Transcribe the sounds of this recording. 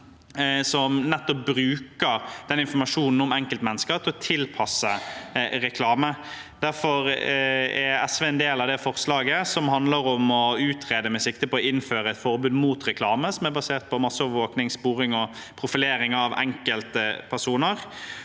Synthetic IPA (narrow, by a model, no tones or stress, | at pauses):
sɔmnɛt̪ːɔp̚bɾʉːkəɾd̪ɛnɪnfɔɾmɑʂuːnn̩ɔmɛŋkəlt̪mɛnːəskəɾt̪ʰɪlɔt̪ʰɪlpʰɑsːəɾɛkʰlɑːmə | d̪̥æɾfɔɾ | ɛɾɛsʋeːɛnd̪eːlɑʋd̪ɛfɔʁslɑːɡəsɔmhɑnd̪ləɾɔmɔʉːt̪ʰɾeːd̪əmɛsɪkt̪əpɔɔɪnːføːɾəɛt̪fɔɾbʉːd̪muːt̪ɾɛkʰlɑːməsɔmæɾbɑseːʁt̪̚pʰɔmɑsːɔʋʋoːknɪŋspuːɾɪŋɔ | pʰɾʊfɪleːɾɪŋɑʋɛ̰ŋkəlt̪əpʰæʁʂuːnəɾ